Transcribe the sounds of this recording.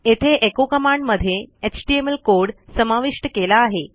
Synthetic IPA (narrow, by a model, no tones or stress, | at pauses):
et̪ʰeʔekokəmaɳɖməd̪ʱjeet͡ɕʈiemelkoɾɽsəmaʋiʂʈəkelaːɦe